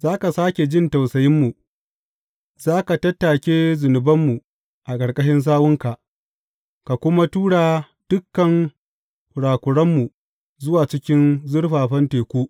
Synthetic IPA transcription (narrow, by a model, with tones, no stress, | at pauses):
zaː˦ka˨saː˦kʲe˨d͡ʒɪ˦nta˨wsɐ˨jɪ˦mːu˨ | z̥aː˦ka˨tɐ˦tːa˨kʲeː˦zʊ˨nʊ˨bɐ˦mːu˨ | ʔa˨kʼɐ˨ɽkʼɐ˦ʃɪ˦ns̬aː˦wʊ˦ŋka˨ʔ | ka˨kʷʊ˦ma˦tuː˦ɽaː˨ | d̥ʊ˦kːɐ˨ŋ | kʷʊ˨ɽaː˨kʷʊ˨ɽɐ˦mːu˨ | zʊ˦waː˨t͡ʃɪ˦kʲɪ˦nzʊ˦ɽɸaː˨ɸɐ˦nteː˨kʷuː˦